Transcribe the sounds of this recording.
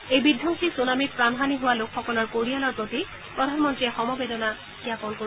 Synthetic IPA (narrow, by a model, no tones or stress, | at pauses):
ejbid̪ʱːɔŋsisunamipɹanʱaniɦʊwalokʰxɔkɔlɔɹkoɹialɔɹpɹot̪i | pɹɔdʱanmɔntɹiɛxɔmɔbedɔna | kiakɔnko